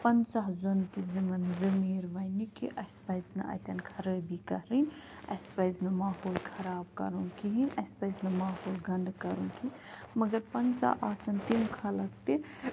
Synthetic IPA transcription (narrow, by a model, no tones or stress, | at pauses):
pɐnsaɦzont̪izimɐnzɐmiːɾʋɐjnikiʔɐspɐjznɐ̰ʔɐ̰t̪ʲɐnkʰɐɾəbʱikɐɦɾinʲɐspɐjznɐmaːɦoːlkʰɐɾaːb̚kɐ̰ɾuŋkiɦinɐspɐjznɐmaːɦoːlɡɐ̃nd̪kɐɾũŋkʰi | mɐɡɐɾpɐnsa̰aːsɐnt̪imkʰɐlɐk̚t̪i